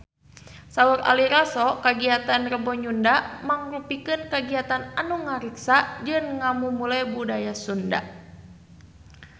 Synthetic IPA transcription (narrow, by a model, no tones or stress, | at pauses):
sauɾa̰liɾasɔkaɡiat̪anrəbɔɲundamaŋrupikɨnkaɡiat̪ananuŋaɾiksad͡ʒɨnŋamumulajbudajasunda̰